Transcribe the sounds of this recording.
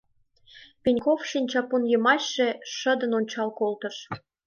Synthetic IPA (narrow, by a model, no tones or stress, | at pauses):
penʲkofʃinʲt͡ɕɑponjə̆mɑɕːeʃə̆d̪ə̆nonʲt͡ɕɑlkolt̪ə̆ʃ